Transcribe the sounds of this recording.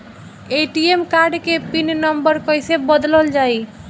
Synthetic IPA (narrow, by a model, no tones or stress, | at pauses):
eʈiemkaɾɖkepinnəmbəɾkɔjsebəd̪ləld͡ʒaj